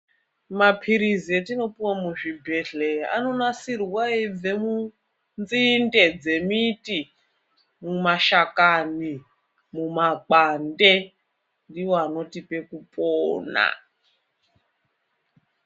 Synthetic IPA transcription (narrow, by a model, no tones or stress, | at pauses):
mapʰiɾizietino̞piwamuʐibʱeɮea̰no̞nasirwaib͡ve̞mu | nd͡zinde̞d͡ze̞miti | mumaʃakani | mumakande̞ | ndiwoano̞tipe̞kupʼoːna̰